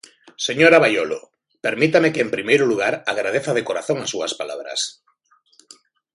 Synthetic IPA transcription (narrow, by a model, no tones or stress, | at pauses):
seɲoɾaβajolo̰ | peɾmit̪amekeːmpɾimejɾʊluɣ̞aɾaɣɾað̞eθaðekoɾaθoŋasuaspala̰βɾa̰s